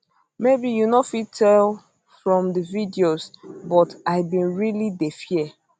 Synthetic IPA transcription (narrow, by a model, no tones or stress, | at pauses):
mebijunofitʰɛl | fɹɔ̃mdəvidiosbɔtaɪbĩnɹilidefiɛ